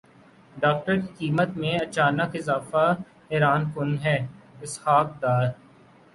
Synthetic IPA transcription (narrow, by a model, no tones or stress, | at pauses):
ɖaːk̚ʈəɾkikiːmət̪mẽɐt͡ʃaːnəkɪzaːfa | ɪɾaːnkʊnɦɛːɪshaːk̚d̪aːɾ